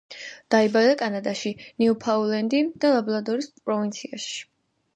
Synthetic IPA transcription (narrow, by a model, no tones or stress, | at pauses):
d̪̥aibad̪akʼanad̪aʃiniupʰaulɛnd̪id̪̥alablˠad̪ɔɾispʼɾɔvint̪sʰiaʃi̥